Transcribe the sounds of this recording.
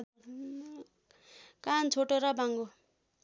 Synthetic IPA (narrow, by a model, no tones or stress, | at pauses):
kant͡sʰoʈoɾʌbaŋɡo